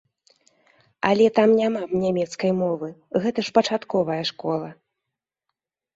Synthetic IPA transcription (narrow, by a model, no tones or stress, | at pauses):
ɐlʲɛt̪amnʲamanʲamʲɛt̪skɐjmɔvɨɣɛt̪ɐʂpɐt͡ʂat̪kɔvɐjɐʂkɔlˠɐ